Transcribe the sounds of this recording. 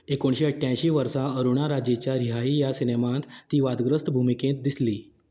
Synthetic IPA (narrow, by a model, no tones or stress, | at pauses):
ekoɳɕiəʈʰːjãjɕiːʋəɾsãəɾuɳ̃aɾad͡ʑet͡ɕjaɾiɦaijasinemãt̪ːiːʋad̪ɡɾəst̪bʱumikẽt̪d̪isliː